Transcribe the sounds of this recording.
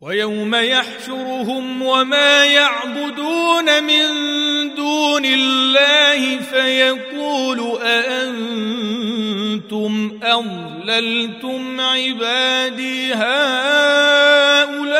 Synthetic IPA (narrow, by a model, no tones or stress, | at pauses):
wajawmajaħʃʊɾɦʊmwamaːjaʕbʊd̪uːnamɪnd̪uːnɪlːaːhɪfajaquːlʊʔaʔan | t̪ʊmʔɑðˤ | lalt̪ʊmʕɪbaːd̪iːɦaː | ʔʊlaː